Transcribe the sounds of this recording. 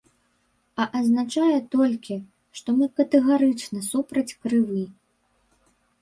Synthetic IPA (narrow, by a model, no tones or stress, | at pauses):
ɐʔɐznat͡ʂajɛt̪ɔlʲkʲi | ʂt̪ɔmɨkɐt̪ɛɣaɾɨt͡ʂnɐsupɾɐt͡sʲkɾɨvɨ